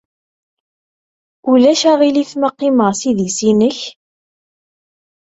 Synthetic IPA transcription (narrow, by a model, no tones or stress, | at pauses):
ulæʃæʁiliθməqːiməʁsiðisinəç